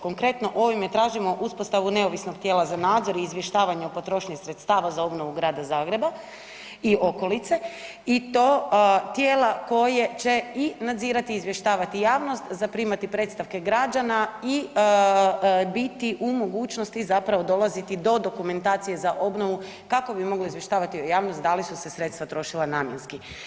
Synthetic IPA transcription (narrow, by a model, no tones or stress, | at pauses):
ko̞ŋkɾe̞t̪no̞ʔo̞ʋimet̪ɾaːʒimo̞ʔuspost̪aʋune̞oʋisnoɡ̚t̪jeːlˠazanaːd̪zo̞ɾiːzʋje̞ʃt̪aːʋaɲɛopo̞t̪ɾo̞ʃɲixsɾe̞t̪st̪aːʋazao̞bno̞ʋuɡɾaːd̪azaːɡɾe̞ba | io̞ko̞lit̪se̞ | it̪oːt̪jeːlako̞je̞t͡ɕe̞inad̪ziːɾat̪iːzʋje̞ʃt̪aːʋat̪ijaːʋno̞st̪zapɾiːmat̪ipɾe̞ːt̪st̪aʋke̞ɡɾad͡ʒanai | bit̪iʔumo̞ɡuːt͡ʃno̞st̪izapɾaʋo̞d̪o̞lˠazit̪id̪o̞d̪o̞kume̞nt̪aːt̪sije̞zaʔo̞bnoʋu | kako̞bimo̞ɡloizʋje̞ʃt̪aːʋat̪iojaːʋnost̪d̪alisusesɾet̪st̪ʋat̪ɾo̞ʃilanaːmjenski